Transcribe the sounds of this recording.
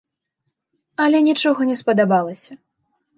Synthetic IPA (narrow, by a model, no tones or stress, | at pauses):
ɐlʲɛnʲit͡ʂɔɣɐnʲɛspɐd̪abalˠɐsʲɐ